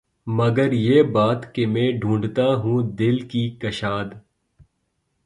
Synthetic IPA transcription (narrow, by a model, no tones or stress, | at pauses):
mɐɡəɾjeːbaːt̪kemɛ̃ːɖʱũːɳɖt̪aɦũd̪ɪlkikɐʃaːd̪